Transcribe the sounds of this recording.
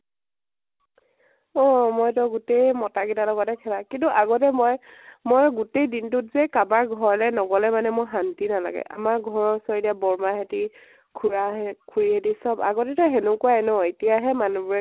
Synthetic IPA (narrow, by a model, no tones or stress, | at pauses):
ɔmɔjtɔɡutejmɔtaɡitalɔɡɔtɛkʰɛlakintuʔaɡɔtɛmɔjmojɡutejdintʊt̚zɛkabaɹɡʱɔɹlɛnɔɡɔlɛmanɛmojɦantinala̰ɡɛ̰ʔa̰maɹɡʱɔɹɔɹsɔɹidiabɔɹmaɦeti | kʰuɹakʰuɹiɦetisɔba̰ɡɔtɛtɔɦenukʊaɛnɔetijaɦɛmanubuɹɛ